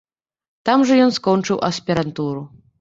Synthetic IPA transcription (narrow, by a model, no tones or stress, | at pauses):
t̪amʐɐjɔnskɔnt͡ʂɨwʔɐsʲpʲɛɾant̪uɾu